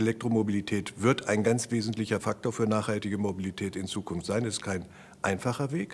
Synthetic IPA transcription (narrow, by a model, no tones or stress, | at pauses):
elɛk̚tʁ̥omobilitʰɛːtv̥ɪɐtʰaɪnɡant͡sv̥eːzn̩tlɪçɐfak̚toːɐfyːɐnaːχhaltɪɡəmobilitʰɛːtɪnt͡suːkʰʊnftz̥aɪnɛstkʰaɪn | ʔaɪnfaχɐveːk